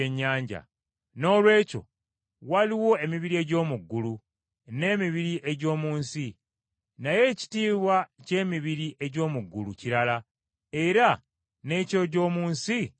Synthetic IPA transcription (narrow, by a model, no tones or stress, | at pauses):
eɲːaːɲɟa̰ | no̞ːlwe̞ːco̞̰ | waliwo̞e̞miβiɾie̞ɟo̞ːmuɡːulu | ne̞ːmiβiɾiʔe̞ɟo̞ːmuːnsi | naje̞ːci̥tiːβwace̞ːmiβiɾiʔe̞ɟo̞ːmuɡːuluciɾala | e̞ɾa | ne̞ːco̞ɟo̞ːmuːnsi